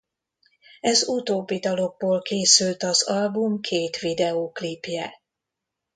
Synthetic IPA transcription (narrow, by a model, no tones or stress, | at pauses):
ɛzut̪oːbːid̪ɒlo̞ɡ̚boːlkeːsylt̪ɒzɒlbumkʰeːt̪ʋid̪ɛoːklipjɛ